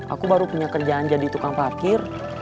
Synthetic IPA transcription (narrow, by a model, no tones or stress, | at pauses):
ʔa̰kubaɾupuɲakərd͡ʒaːnd͡ʒadit̪ukaŋpakɪr